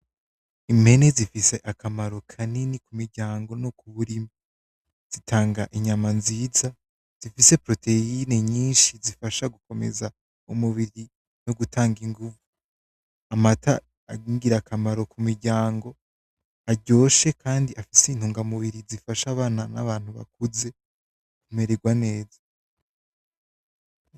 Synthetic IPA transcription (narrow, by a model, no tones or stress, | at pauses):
ime̞nezifiseʔakʰamaɾo̞kʰaninikumiɾɟaːŋɡo̞nokuβuɾimi | z̥itʰaːŋɡaʔiɲamanziːza | z̥ifise̞pɾo̞te̞ine̞ɲiːnʃizifaʃaɡuko̞me̞̰za | umuβiɾi | noɡutʰaːŋɡiŋɡuvu | amata | aɡiːŋɡiɾakʰamaɾo̞kumiɾɟaːŋɡo̞ | aɟo̞ːʃe̞kʰaːndiʔafisein̥huːŋɡamuβiɾizifaʃaβaːnana̰βaːn̥huβa̰kuze̞ | kume̞ɾeɡwane̞ːza